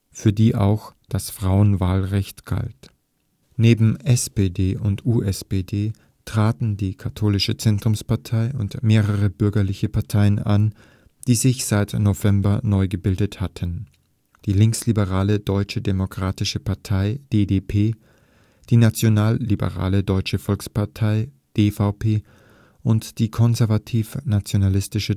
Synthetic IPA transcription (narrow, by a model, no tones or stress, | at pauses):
fyːɐdiːʔa̰ʊxd̥asfʁ̥aʊənvaːlʁɛçtɡ̥a̰lt | neːbm̩ʔɛspeːdeːʔʊntʔuːʔɛspeːdeː | tʁ̥aːtn̩diːkʰatʰoːlɪʃət͡sɛntʁ̥ʊmspaɐtʰaɪʊntmeːʁəʁ̞əbʏɐɡɐlɪçəpʰaɐtʰaɪənʔa̰n | d̥iːzɪçz̥aɪtnovɛmbɐnɔʏɡəbɪldəthatʰən | d̥iːlɪŋkslibəʁaːlədɔʏt͡ʃədemokʁ̥aːtɪʃəpʰaɐtʰaɪd̥eːdeːpʰeː | d̥iːnat͡sjonaːlːibə̰ʁa̰ːlədɔʏt͡ʃəfɔlkspaɐtʰaɪ | d̥eːfaʊpʰeː | ʔʊntd̥iːkʰɔnzɛɐvatʰiːfnat͡sjonalɪstɪʃə